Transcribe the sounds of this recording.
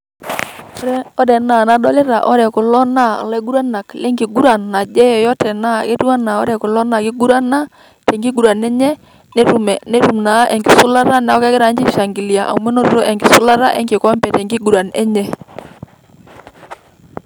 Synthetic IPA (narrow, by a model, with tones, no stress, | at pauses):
ɔ˦dɛ˨na˨na˨˦dɔ˦lɪ˦ɾa˨ʔɔ˦ɾɛ˨kʊ˨lɔ˦na̰˦˨lɛ˦ɡu˦ɾa˦na˨klɛ˦ŋɡi˨ɡu˦ɾa˨nːa˨d͡ʒɛ˦jɔ˨jɔ˦tɛ˨na˦ke˦tu˦a˦na˨ɔ̰˦ɾɛ˨kʊ˨lɔ˦na˨kɪ˦ɡu˦ɾa˦na˦ | tɛ˨ŋɡi˦ɡu˨ɾa˨nɛ˦ɲɛ˦ | nɛ˦ɾu˨mɛ˨nɛ˦ɾu˨mna˨˦ʔɛ˨ŋɡɪ˨sʊ˦la˦ɾa˦nɛ˦ɔ˦kɛ˦kɪ˦ɾa˨˦ɲd͡ʒi˦ʃa˨ŋɡi˨li˨a˨ʔa̰˨mɛ˦no˦ɾɾo˦ʔɛ˨ŋɡɪ˨sʊ˦la˦ɾa˦ʔɛ̰˦ŋɡɪ˨kɔ˦mbɛ˨tɛ˨ŋɡi˦ɡu˨ɾa˨nɛ̰˦ɲɛ˦